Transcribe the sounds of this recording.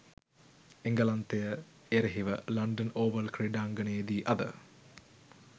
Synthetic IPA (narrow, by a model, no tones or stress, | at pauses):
eŋɡɐlɐnt̪ejə | eɾeɦiʋəlɐɳɖənoːʋəlkriɖaːŋɡənejed̪iːʔɐd̪ə̰